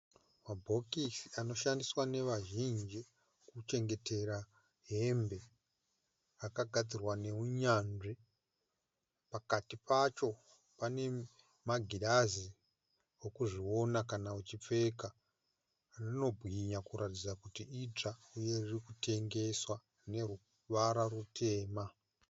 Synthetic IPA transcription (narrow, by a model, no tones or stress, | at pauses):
mabʱo̞kisiano̞ʃandiswane̞ʋaʒind͡ʒi | kut͡ʃe̞ŋɡe̞te̞ɾa | ɦe̞mbe̞ | akaɡʱad͡zirwane̞uɲanʐi | pakatipat͡ʃo̞ | pane̞ | maɡʱiɗazi | wokuʐio̞nakanaut͡ʃip͡fe̞ka | nino̞bʱwiɲakuɾatid͡zakutiʔid͡ʐauje̞ririkutʰe̞ŋɡe̞swa | ne̞ɾu | ʋaɾarutʰe̞ːma